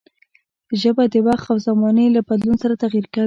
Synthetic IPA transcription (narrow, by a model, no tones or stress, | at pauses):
ʒəbad̪əbɑxawzamɑnəlabad̪lunsaɾat̪aɣiɾka